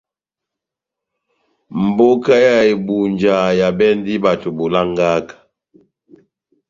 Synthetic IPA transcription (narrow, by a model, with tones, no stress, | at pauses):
m̩˨bo˦ka˦ja˨e˨bu˨nd͡ʒa˨ja˨bɛ˦n˦di˦ba˨to˨bo˨la˦ŋɡa˦kḁ˨